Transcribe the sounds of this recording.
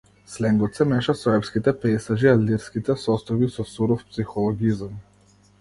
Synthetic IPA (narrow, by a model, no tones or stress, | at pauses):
slɛŋɡɔt̪sɛmɛʃasɔɛpskit̪ɛpɛjsaʒialiɾskit̪ɛsɔst̪ɔjbisɔsuɾɔfpsixɔlˠɔɡizam